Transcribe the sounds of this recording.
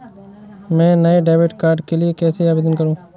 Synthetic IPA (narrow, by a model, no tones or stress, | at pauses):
mɛ̃ːnəeɖeːbɪʈkaːɾɖkelɪekɛːseəbɪːd̪ənkəɾũː